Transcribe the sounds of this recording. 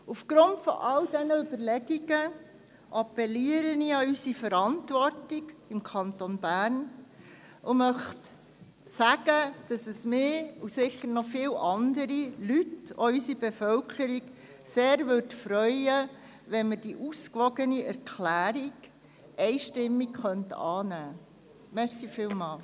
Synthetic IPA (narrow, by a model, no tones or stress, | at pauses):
ufɡ̥ɾʊntfɔ̰ʔɑldɛnəʏbəɾlɛɡiɡə | ʔɑpːɛliəɾəniɑysifəɾɑntʋɔrtɪɡɪmkʰɑntonbæːɾn | ʔʊmœχt | sæɡəd̥ɑsəsmɪːusɪχəɾnɔfɪːlʔɑndəɾilytɔ̰ysibefœlkʰəɾiɡ | seːɾʋødfɾœʏə | ʋɛnməd̥iʔuskʋɔɡəniɛɾkʰlæːɾiɡ | ɛɪʃtɪmːikχœntɑːnæː | mɛsifɪːlmɑːl